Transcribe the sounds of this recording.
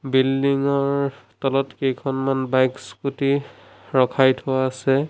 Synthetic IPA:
bildiŋɔɹtɔlɔtkejkʰɔnmanbajkskuti | ɹɔkʰajtʰʊwaːsɛ

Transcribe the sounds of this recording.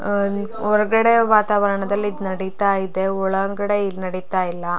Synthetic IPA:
ɔɾɐɡɐɽe̞ʋaːt̪aːʋɐɾɐɳɐd̪ɐlːid̪nɐɽit̪aːjid̪e̞ɔɭɐɡɐɽeinɐɽit̪aːjilːɐ

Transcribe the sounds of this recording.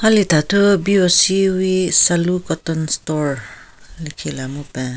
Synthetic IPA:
halitatubiosiwisalukɔtɔnstɔɹlikʰilamupe

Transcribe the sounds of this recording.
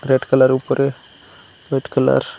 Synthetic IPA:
ɾeɖkəlaɾupəɾe | ʋeʈkəla̰ɾ

